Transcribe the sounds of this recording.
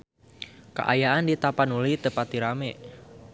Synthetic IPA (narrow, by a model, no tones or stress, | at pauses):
ka̰ʔa̰jaʔandit̪apanulit̪əpat̪̚iɾame